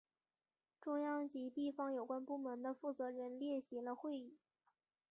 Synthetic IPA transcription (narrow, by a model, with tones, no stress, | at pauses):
ʈ͡ʂʊ˥˧ŋjɑ˥˩ŋt͡ɕi˧˥t̪i˥˩fɑ˧˥ŋjo˨˩ʊkwa˥npu˥˩mə˧˥nd̪ə˧fu˥˩t͡sɤ˧˥ɻə˧˥nljɛ˥˩ɕi˧˥lə˧xwe˥˧ɪi˥˩˦